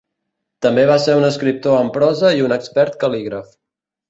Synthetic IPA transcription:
t̪əmbeβaseɾunəskɾip̚t̪oəmpɾɔzəiunəkspɛɾt̪̚kəliɣɾəf

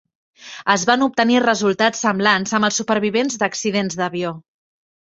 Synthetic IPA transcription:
əzβanup̚t̪ənirəzulˠt̪at͡sːəmblanzəməlˠsupəɾβ̞iβenzd̪əksiðenzðəβio

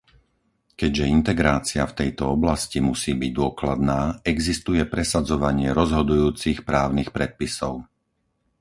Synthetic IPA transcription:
kɛɟʒɛint̪ɛɡɾaːt͡sɪaft̪ɛjt̪ɔɔblascimusiːbiɟ̚d̪ʊɔklad̪naːɛɡzist̪ujɛpɾɛsad͡zɔʋaɲɪɛɾɔzɦɔd̪ujuːt͡sixpɾaːʊnixpɾɛt̪̚pisɔʊ

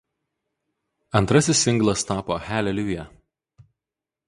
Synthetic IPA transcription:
ɐnt̪ɾɐsʲɪsʲɪŋɡlˠɐst̪ɑːpoːxʲæːlʲɛlʲuːjɛ

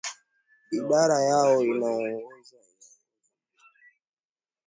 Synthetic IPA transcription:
iɓaɾajaɔinaɔŋwɔza

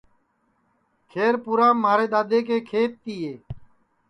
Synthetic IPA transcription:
kʰeːɾpuːɾãːmaːɾeːd̪aːd̪eːkeːkʰeːt̪ːiːeː

